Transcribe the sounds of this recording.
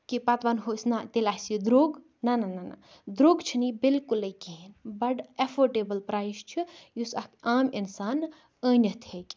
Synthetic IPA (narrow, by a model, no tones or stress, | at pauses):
kipɐt̪ʋanɦosʲnat̪elasid̪ɾoːɡ | nɐnanana̰ | d̪ɾoːɡt͡ʃʰinibilkuləjkenbɐʈefʰoːʈeːbəlpɾaːjst͡ʃʰijusɐkaːminsaːn | əːnʲət̪ʰhekʲ